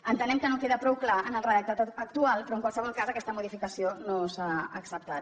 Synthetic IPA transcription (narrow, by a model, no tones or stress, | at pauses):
ənt̪ənɛmkənokeðəpɾɔwklaənəlˠrəðək̚t̪at̪ək̚t̪ualˠpɾɔəŋkwalˠsəβ̞ɔlˠkazəkɛst̪əmuðifikəsionosaəksəp̚t̪at̪